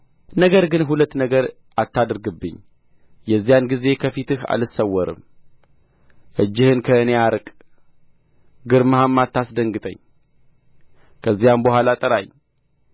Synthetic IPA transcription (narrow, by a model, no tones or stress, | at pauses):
nəɡəɾɡɨnɦulət̪ːnəɡəɾ | at̪ːad̪ɾɡɨbːɨ̰ɲː | jɛzːijanɡize̞kʰəfit̪ɨha̰lɨsəwːɔɾɨ̰m | ʔɨd͡ʒːɪhɨnkʰəɨneaɾkʼ | ɡɨɾmɨhamːat̪ːasd̪əŋɡɨt̪ʼə̰ɲː | kʰəzːijambəhwalat̪ʼəɾaj